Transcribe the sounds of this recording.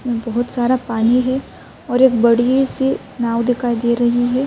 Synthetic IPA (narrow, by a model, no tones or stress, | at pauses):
mẽbɐɦʊt̪saːɾapaːniɦɛ | ɔːɾeːkbɐɽiese | naːwd̪ɪkʰaːid̪eːɾɐɦiɦɛː